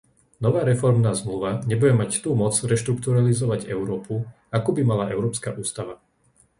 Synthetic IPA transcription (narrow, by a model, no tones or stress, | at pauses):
nɔʋaːɾɛfɔɾmnaːzmluʋaɲɛbuɟɛmact̪uːmɔt͡sɾɛʃt̪ɾukt̪uɾalizɔʋaɟɛ̰ʊɾɔːpu | akuːbimalaʔɛʊɾɔːpskaʔuːst̪aʋa